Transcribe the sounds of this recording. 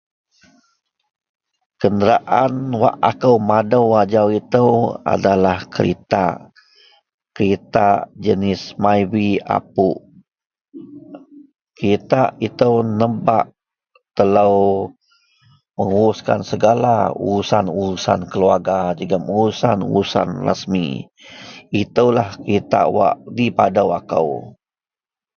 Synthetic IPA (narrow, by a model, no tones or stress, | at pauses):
kəndəɾaʔanwa̰ʔakəwmadəwad͡ʒawit̪əwa̰dalahkəɾḭt̪a̰ | kəɾit̪ad͡ʒənɪsmajwia̰p̚uʔ | kəɾit̪ait̪əwnəbaʔ | t̪ələw | məŋuɾuska̰nsəɡalauɾusanuɾusankəluarɡad͡ʒuɡaməŋuɾusanṵɾusa̰nrə̰smḭ | it̪əwlahkəɾit̪a̰wa̰ʔdipadawakə̰w